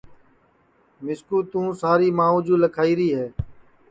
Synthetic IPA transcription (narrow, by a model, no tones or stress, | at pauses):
mɪskuːt̪ũːsaːɾiːmãːũːd͡ʒuːləkʰaːiːɾiːɦɛː